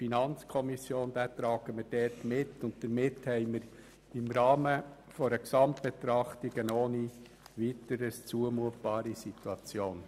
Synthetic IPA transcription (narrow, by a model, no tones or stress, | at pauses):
finɑnt͡skʰɔmisjoːnd̥̪æːtɾɑːɡ̥əməɾd̥ɛɾtmɪtːʊnt̚təɾmɪthɛɪməɾ | ɪmɾɑːmə | fɔɾəksɑmtb̥et̪ɾɑχtiɡənoːni | ʋitəɾəst͡suəmuət̚b̥ɑːɾisituɑt͡sjoːn